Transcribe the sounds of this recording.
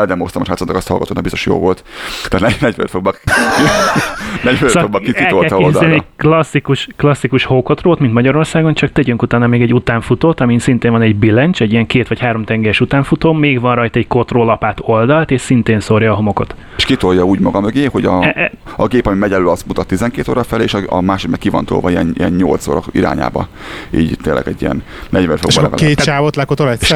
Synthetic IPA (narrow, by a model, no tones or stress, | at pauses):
ɛld̪ɛmost̪ɒmeʃhaːsot̪ɑkɒst̪hɒ̰lɡɒt̪oːbist̪oʃjo̰ːvo̞lt̪ːaːt̪nɛnɛɟfø̰t̪foɡbɒk | nɛɟføtɒfoɡbɒkːikiɛlk̪oltɛloːld̪zɛnɛklɒsːikuʃklɒsːikuʃhoːkot̪roːt̪mint̪mɒɟɒɾo̞rsaːɡo̞nt͡ʃɒk̚t̪ɛɟyŋkut̪aːnɒmeːɡɛɟut̪aːɱfut̪oːt̪ɒmisint̪eːɱvɒnɛɟbilɛnt͡ʃɛɟːijɛŋkeːt̪ʋɒchaːɾo̞mt̪ɛŋɡɛɾɛʃut̪aːɱfut̪oːmeːɡʋɒnrɒjt̪ɒɛɟko̞t̪roːlɒpaːt̪o̞ld̪ɒlt̪eːʃsint̪eːnsorjɒːɦo̞mo̞ko̞t̪ː | ʃkit̪orjɒuːɟmɒɡɒmøɡeːho̞ɟɒɒɡeːpɒmimɛɟɛløːlɒst̪mut̪ɒt̪ːizɛŋkeːt̪oːɾɒfɛleːʃɒɒ̰maːʃod̪nɛkːivɒ̰nt̪o̰ːlvɒiɛnijɛnɲolt̪so̰ːɾɒkiɾa̰ːɲa̰ːbɒ̰ | iːɟt̪eːnlʔɛ̰ɡɛɟːijɛ̰n | nɛɟvɛnfoɡbɒlɛɡ̰keːt͡ʃaːvot̪lɛkot̪olɛ